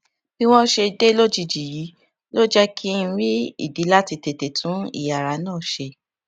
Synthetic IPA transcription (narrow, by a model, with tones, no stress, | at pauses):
b̥i˦w̃ɔ̃˦ʃe˧de˦lo˦d͡ʒi˧d͡ʒi˨ji˨˦ | lo˦d͡ʒɛ˦kʰi˦n̩˦ɾi˦ḭ˦˨di˨˦la˦ti˧te˨te˨tʰũ˨˦ḭ˦˨ja˨ɾa˨˦nãː˦˨ʃe˧